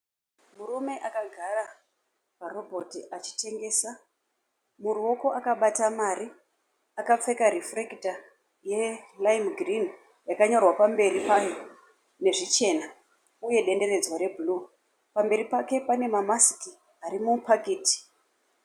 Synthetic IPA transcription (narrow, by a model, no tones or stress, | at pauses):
murume̞ʔakaɡʱara | paro̞bʱo̞tiʔat͡ʃi̥te̞ŋɡe̞ːsa | muruo̞ko̞ʔakaɓatamaɾi | akap͡fe̞kaɾifrekita | je̞laimɡrin | jakaɲo̞rwapambe̞ɾipajo | ne̞ʐit͡ʃe̞na | uje̞ɗe̞nde̞re̞d͡zwaɾe̞bʱuluː | pambe̞ɾipake̞pane̞mamasi̥ki | aɾimupʰakeːti̥